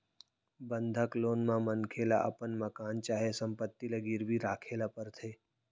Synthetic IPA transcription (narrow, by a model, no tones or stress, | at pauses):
bə̃nd̪ʱakloːnmãmənkʰela̰ʔə̰pənməkaːnt͡ʃaːɦesə̃mpət̪ːileɡiɾbʱiɾaːkʰeːlapəɾt̪ʰeː